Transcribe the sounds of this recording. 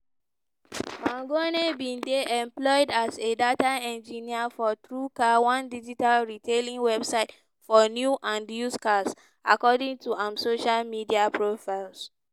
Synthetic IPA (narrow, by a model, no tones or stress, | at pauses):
mãŋɡonebĩndeʔɛ̃mplɔɪdasedataɛ̃nd͡ʒĩniafɔt̪ɹukawãndid͡ʒitalɹitʰelĩŋwɛbsaɪt | fɔnjuʔãndjuskas | akɔdĩŋtuãmsoʃalmidiapʰɹofaɪls